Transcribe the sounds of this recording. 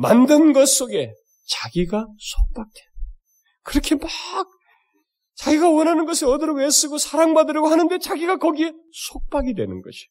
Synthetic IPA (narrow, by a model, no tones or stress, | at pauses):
ma̰ndɯnɡʌs͈oɡe̞ | t͡ɕaɡiɡasʰok̚p͈ak̚twe | kɯɾʌkʰe̞maɡ̚ | t͡ɕaɡiɡawʌnɦanɯnɡʌsʰiʌdɯɾowes͈ɯɡosʰaɾaŋmadɯɾʌɡoɦanɯndet͡ɕaɡiɡakʌɡiesʰok̚p͈aɡidwe̞̰nɯnɡʌd͡ʑi̥